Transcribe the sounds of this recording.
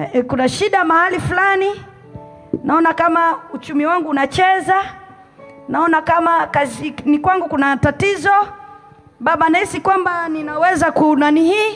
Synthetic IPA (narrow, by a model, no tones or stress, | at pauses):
kunaʃiɗamahalifulani | naɔnakamaut͡ʃumiwaŋɡuːnat͡ʃɛza | naɔnakamakazinikwaŋɡukunatatizɔ | ɓaɓanaisikwambaninawɛzakunanihi